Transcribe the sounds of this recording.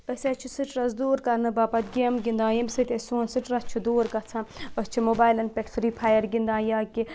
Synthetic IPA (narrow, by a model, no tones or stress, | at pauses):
əsʲɐt͡ʃʰusiʈɾɐzd̪uːɾkɐnɨbapɐt̪ɡemɡʲind̪ãːjɐmʲsɐt̪ʲɐsoːnsiʈɾɐst͡ʃʰud̪uːɾkɐt͡sʰãɐst͡ʃʰimobaːjlɐnpʲeʈfɾiːpʰaːjɐɾɡind̪ãːjaːki